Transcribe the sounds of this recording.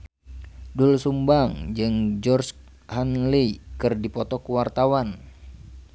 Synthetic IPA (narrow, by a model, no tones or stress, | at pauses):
dulsumbaŋd͡ʒɨŋd͡ʒɔrshanlikɨrdipɔt̪ɔkuwart̪awan